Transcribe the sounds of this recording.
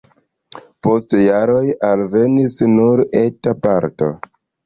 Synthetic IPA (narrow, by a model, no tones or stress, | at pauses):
po̞stjaɾo̞jalve̞nisnuɾe̞tapaɾto̞̰